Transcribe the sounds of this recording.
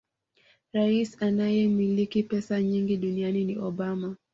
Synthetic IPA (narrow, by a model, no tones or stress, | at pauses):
ɾaisanajɛmilikipɛsaɲiŋɡiɗunianiniʔɔɓama